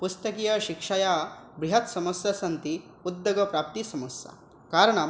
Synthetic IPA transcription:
pust̪ɐkijɐʃikʂɐjaːbɾiɦɐt̪sɐmɐsjɐsɐnt̪i | ud̪ːɐɡɐpɾaːp̚t̪isɐmɐsjɐ̰ | kaːɾɐɳɐ

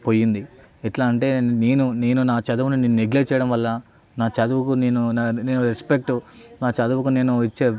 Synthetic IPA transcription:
poːjːind̪i | ɛʈlaːɐɳʈe̞ːne̞ːnune̞ːnunaːt͡ʃɐd̪uʋunineːnuneɡlet͡ʃːɛjɐɽɐmʋɐlːɐ | naːt͡ʃɐd̪uʋukune̞ːnunneːnuɾespek̚ʈunaːt͡ʃɐd̪uʋɐkune̞ːnuit͡ʃːe̞ː

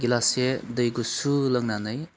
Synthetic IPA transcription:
ɡilasedɯjɡusulɐŋnanɯj

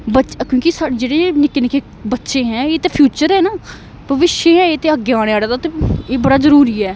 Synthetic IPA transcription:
bət͡ʃkjõːkɪsaːɽeːd͡ʒeːɽeːnɪkːenɪkʰeː | bətːʃẽːɦɛ̃ːeːt̪eːpʰjuːt͡ʃəɾɦɛːnaː | bʱəʋɪʃeːɦɛ̃ːeːt̪eːəɡjaːɽeaːɽːd̪aːt̪eeːbəɽaːzəɾuːɾiːɛː

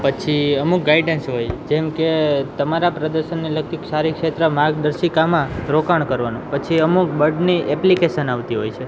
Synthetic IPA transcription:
pət͡ʃʰiəmuk̚ɡajɖensɦojd͡ʒɛmket̪əmaɾapɾəd̪əɾʃənːiləkt̪ʰikʃaɾikʃet̪ɾəmaɾɡ̚d̪əɾʃikamãɾokaɳ̃kəɾʋanũpət͡ʃʰiəmuk̚bəɾɖniʔɛplikeʃənaʋt̪iɦojt͡ʃʰe

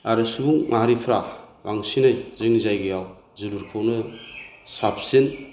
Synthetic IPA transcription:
aɾɯsubuŋŋaɦaɾipʰɾabaŋsinajzɯŋnizajɡajaw | zɯluɾkʰownɯ | sap̚ʰsin

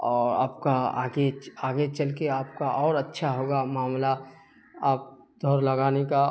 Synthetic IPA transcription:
ɔːɾa̰ːpkaa̰ɡeaːɡet͡ʃəlkeaːp̚kaʔɔːɾətːʃʰaɦoːɡamaːmla | aːp̚ | d̪ʱɔːɾləɡaːneka

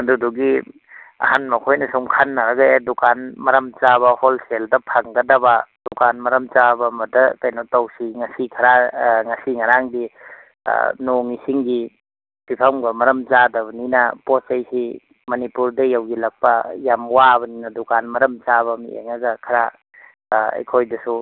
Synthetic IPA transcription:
ɐduduɡi | ɐ̰hanmɐkʰojnɐsuŋkʰanːɐɾɐɡɐedukanmɐɾɐmt͡ʃaβɐholseldɐpʰaŋɡɐdɐbɐdukanmɐɾɐmt͡ʃabɐmɐdɐtajnatawsiŋɐsikʰɐɾaŋɐsiŋɐɾaŋdḭ | noŋisiŋɡi | bipʰɐmɡɐmɐɾɐmt͡ʃadɐbɐninɐposajsi | mɐnipuɾdɐjawɡilɐk̚pɐjamwabɐninɐdukanmɐɾɐmt͡ʃaβɐmḭḛŋɐɡɐkʰɐɾa | ɐ̰jkʰojdɐsu

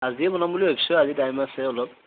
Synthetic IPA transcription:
aziɛbɔnambuliɦepʰi̥sɔazitajmasɛɔlɔp̚

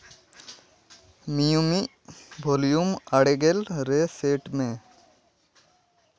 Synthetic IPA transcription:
mijumiʔ | bʱolijumaɽeɡelɾeseʈmẽ

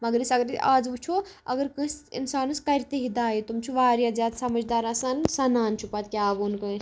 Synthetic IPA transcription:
mɐɡɾisɐɡɾa̰ːd͡zʋut͡ʃʰoɐ̰ɡɐɾkɨ̃sḭnsaːnuskɐɾt̪eɦid̪aːjit̪umt͡ʃʰuʋaːɾjazʲaːd̪sɐmɐd͡ʒd̪aːɾɐsansɐnaːnt͡ʃʰupaːt̪kʲjaːbuːnkɐ̃s

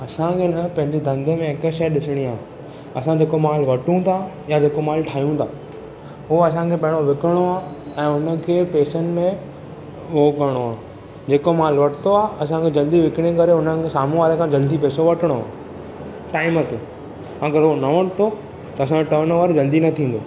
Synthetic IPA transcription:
ɐsãkʰenɐpɐ̃ɦɪ̃ɲd͡ʑid̪ʱɐ̃ŋɡ̪əmẽekəʃeɗɪsɪɽ̃iaːɦ | ɐsãd͡ʑeːkomaːl̤ʋɐʈũt̪ʰa | jad͡ʑeːkomaːlʈʰaːijũt̪ʰaː | ɦʊoɐsãkʰeːɓɐɪɽ̃oʋɪkəɽ̃oaːɛ̃ːʊnə̆kʰeːpeːsənɪ̆mẽ | ʋoːkɐɾɽ̃oaː | d͡ʑeːkomaːlʋɐʈʰɪt̪ʰoaːɦɐs̬ãkʰed͡ʑɐld̪iʋɪkɪɽ̃ekɐɾeʊnənɪ̆kʰesaːmũʋaːɾekʰãd͡ʑɐld̪ipeːsoʋɐʈʰəɽ̃oa̰ː | ʈaːɪmək̪ʰe | ɐɡəɾɦonɐʋɐʈt̪ʰo | t̪ɐɐs̬ãʈəːnʋəɾd͡ʑɐld̪inɐt̪ʰĩːn̆d̪oː

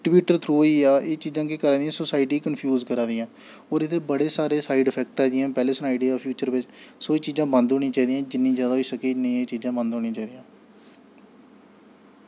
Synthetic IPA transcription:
ʈɪbjuːʈəɾt̪ʰɾuːiːaːʔeːt͡ʃiːzãːkekəɾãːd̪ijãːsosaːɪʈiːkənpʰjuːzkəɾãːd̪ijãː | ɔːɾɪt̪eːbəɽeːsaːɾeːsaːɪɖəpʰɛːk̚ʈaːd͡ʒiːãːpɛːleːsnaːɪɖiaːpʰjuːt͡ʃəɾʋɪt͡ʃsoːiːt͡ʃiːzãːbə̃nd̪ɦoːɽĩːt͡ʃaːiːd̪ijãːd͡ʒɪnːĩːd͡ʒjaːd̪aːɦoiːsəkeːnĩːeːt͡ʃiːzãːbənd̪ɦoːɽ̃ĩːt͡ʃaːiːd̪ijãː

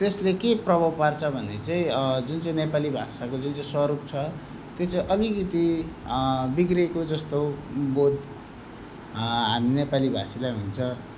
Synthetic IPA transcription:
t̪eslekeprʌbʱʌwpart͡sʰʌbʱʌnːet͡saĩd͡zunt͡saĩnepalibʱasakod͡zunt͡saĩswʌɾup̚t͡sʰʌ | t̪jot͡saĩʔʌliɡit̪i | biɡrekod͡zʌst̪obod̪ʱ | ɦaminepalibʱa̰silajɦunt͡sʰʌ

